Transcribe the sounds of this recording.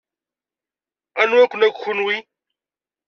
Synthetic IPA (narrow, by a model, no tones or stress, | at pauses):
anwakunakxunwi